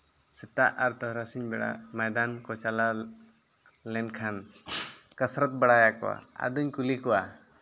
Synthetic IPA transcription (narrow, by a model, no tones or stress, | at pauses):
sɛt̪aʔaɾt̪ɔɦɾasiɲbɛɽa̰majd̪ankɔt͡ʃala | lɛnkʰan | kəsɾɔt̪̚bəɽajakɔ̰wa̰a̰d̪uɲkulikɔwa